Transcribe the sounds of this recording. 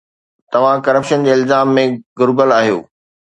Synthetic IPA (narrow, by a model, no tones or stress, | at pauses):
t̪ɐʋ̤ãkɐɾəpʃənd͡ʑeːɪlzaːmːẽɡʊɾbəlaːɦijo̰ː